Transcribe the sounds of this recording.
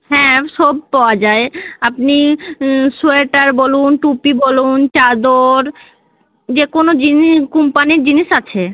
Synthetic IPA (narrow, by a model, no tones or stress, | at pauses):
ɦɛ̃ʃɔb̚paɔoad͡ʑaeapni | sueʈaɾbolunʈupibolunt͡ɕad̪oɾ | d͡ʑekonod͡ʑinikumpaniɾd͡ʑiniʃat͡ɕʰe